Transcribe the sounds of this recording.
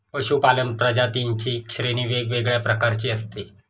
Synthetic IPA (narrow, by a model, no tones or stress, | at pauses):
pəɕupalənpɾəd͡ʑat̪int͡ɕiːkɕɾeñiːʋeɡʋeɡɭjapɾəkaɾt͡ɕiːəst̪i